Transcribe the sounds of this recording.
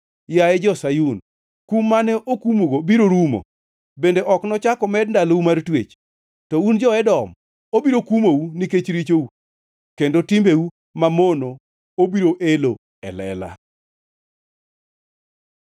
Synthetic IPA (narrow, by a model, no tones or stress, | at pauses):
jaɛd͡ʒɔsajun | kumːanɛʔokumoɡobiɾoɾumo̰ | bendeʔɔknɔt͡ʃakɔmɛdndaloumartwḛt͡ʃ | tɔund͡ʒɔɛdɔm | obiɾokumouniket͡ʃɾit͡ʃou | kendotimbeu | mamono | obiɾoʔelo | ɛ̰lɛ̰la̰